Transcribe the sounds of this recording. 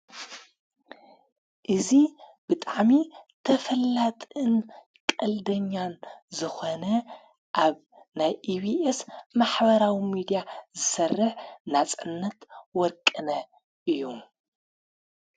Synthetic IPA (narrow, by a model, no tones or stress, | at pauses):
ʔɨzib̥ɨt̪ʼaʕmit̪ʰɐfɐlːat̪ʼɨn | kʼɐld̪ɐɲːanzɨxonɐ | ʔaβ | najʔiβiʔesmaħbɐɾawimid̪ijazɨsɐrːɨħnat͡sʼɨnːɐt̪wɔɾkʼɨnɐ | ʔɨjːu